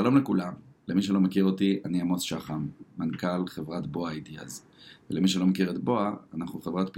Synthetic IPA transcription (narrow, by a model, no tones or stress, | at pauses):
ʃalo̞mlekulamlemiʃ̬elo̞mekiʁo̞tianiamo̞t͡sʃaχamːankalχevʁatbo̞aidia̰z | velemiʃ̬elo̞mekiʁetbo̞aanaχuχevʁatp